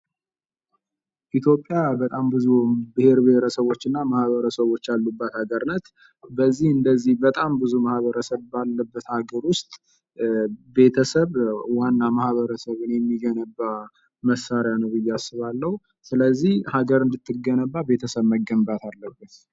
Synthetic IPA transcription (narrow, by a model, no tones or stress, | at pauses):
ʔit̪ʰjo̞pʼːjabət̪ʼambɨzubɨhe̞ɾbɨheɾəsəβwo̞t͡ʃːɨnːamahβəɾəsəβo̞t͡ʃːalːubːat̪haɡəɾnət̪ | bəzːihɨnd̪əzːihbət̪ʼambɨzumahβəɾəsəβbalːəbːət̪haɡəɾwʊst̪ʼ | be̞t̪ʰəsəβwanːamahβəɾəsəβɨnejɛmːiɡənəbːa | məsːaɾjanəwɨjːasːɨβalːəhu | sɨləzːihhaɡəɾɨnd̪ɨt̪ːɨɡənəbːabe̞t̪ʰəsəβməɡəmbat̪ʰalːəbːət̪